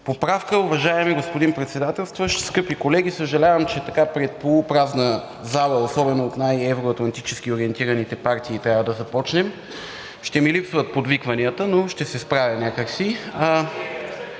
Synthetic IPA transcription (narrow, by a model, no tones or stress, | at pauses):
popɾafkəʊvɐʒaɛmiɡospod̪impɾɛt̪sɛd̪at̪ɛlˠst̪voʃskɤpikolɛɡ̟isəʒɐlʲavəmt͡ʃɛt̪ɐkapɾɛt̪̚polˠupɾaznə | zalˠəosɔbɛnoːt̪najɛvɾoɐt̪lˠɐnt̪it͡ʃɛsk̟ioɾiɛnt̪iɾɐnit̪ɛpaɾt̪iːt̪ɾʲavəd̪ɐzɐpɔt͡ʃnɛm | ʃt̪ɛmilipsvət̪̚pod̪vikvɐniət̪ənoʃt̪ɛsɛspɾavʲɐnʲakəksi